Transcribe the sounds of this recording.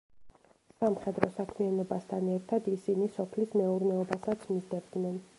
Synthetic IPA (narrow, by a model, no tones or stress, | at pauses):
samχɛd̪ɾɔsakʰmianɔbast̪ʰanɛɾt̪ʰad̪isinisɔpʰlismɛuɾnɛɔbasat̪sʰmid̪ɛbd̪nɛn